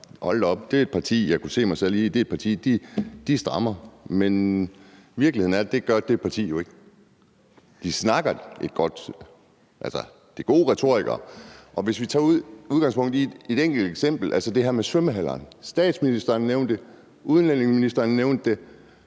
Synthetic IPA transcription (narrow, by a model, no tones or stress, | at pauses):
hɒ̽l̰d̥ɒ̽b̥d̥e̝e̝d̥̚pʰɑ̈t͡sʰḭːjɑ̈ɪkʰuse̝̰ːmɑ̈ɪsel̰iːd̥e̝ɐe̝̥pʰɑ̈t͡sʰḭːd̥id̥isd̥ʁɑ̈mɐmen | ʋiɐɡ̥lihe̝ð̰ˠn̩æɐd̥e̝ɡ̥ɶɐd̥e̝̥pʰɑ̈t͡sʰḭːjo̝e̝ɡ̥ə | d̥isnɑ̈ɡ̥ɐed̥̚ɡ̥ɒ̽d̥ | ʔælsɐ | d̥eɡ̥o̝ːʁɛt͡sʰo̝ɐ̰iɡ̥ɐ̰ʔɒ̽ʋe̝sʋit͡sʰɑ̈ːuð̰ˠuð̞ˠɡ̥ɑ̈ŋspʰɔ̽ŋ̰d̥ˠie̝d̥eŋ̰ɡ̥l̩d̥eɡ̥sem̰b̥l̩ʔælsəd̥e̝ɦæɐ̰mesøməɦælɐ̰ːnsd̥ɛ̰ːd̥sminisd̥ɐːnːeʊnd̥e̝ | uð̞ˠnlen̰e̝ŋsminisd̥ɐːnːeʊnd̥ːe̝